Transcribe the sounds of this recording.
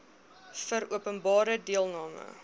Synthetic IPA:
fəɾuəpənbɑːɾədiəlˠnɑːmə̰

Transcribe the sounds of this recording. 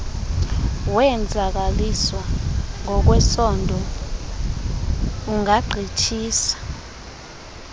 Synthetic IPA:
wɛnd͡zʱak̬aliswaŋɔk̬wɛsɔndʱɔ | uŋaɡ͡ǀʱit͡ʃʰiːsḁ

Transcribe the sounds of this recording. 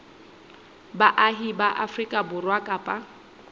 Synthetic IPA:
baʔaɦibaʔafrikʼabʊrwakʼapʼa

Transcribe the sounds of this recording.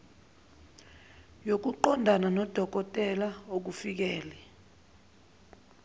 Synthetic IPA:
jok̬uǃɔndʱananɔd̥ʱɔk̬ʼɔtʼɛlaok̬ufik̬ɛːlɛ

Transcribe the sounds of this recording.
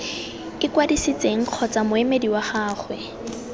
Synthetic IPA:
kʼɪkwadisit͡sʼeŋ̩q͡χʰɔt͡sʼamʊemediwaχaːχwɛ

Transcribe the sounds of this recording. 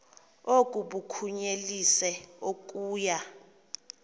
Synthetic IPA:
okʼuɓukʰuɲelisɛok̬ʼuːja

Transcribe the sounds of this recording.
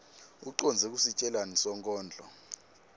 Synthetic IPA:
uǃɔnd͡zʱɛk̬usit͡ʃʼɛlanisɔŋkʼɔːnd͡ɮʱɔ

